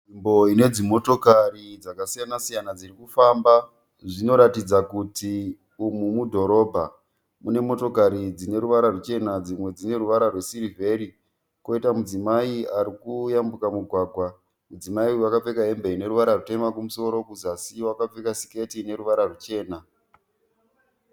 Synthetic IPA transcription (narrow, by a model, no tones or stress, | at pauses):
imbo̞ine̞d͡zimo̞to̞karid͡zakasijanasijanad͡zirikufamba | ʐino̞ɾatid͡zakuti | umumudʱo̞ɾo̞ːbʱa | mune̞mo̞to̞kaɾid͡zine̞ɾuʋaɾarut͡ʃe̞nad͡zimwe̞d͡zine̞ɾuʋaɾarwe̞sirive̞ɾi | ko̞itamud͡zimaiaɾikujambukamuɡʱwaːɡʱwa | mud͡zimaiwakap͡fe̞kae̞mbe̞ine̞ɾuʋaɾarute̞makumuso̞ɾo̞kuzasiwakap͡fekasi̥ke̞tine̞ɾuʋaɾarut͡ʃe̞ːna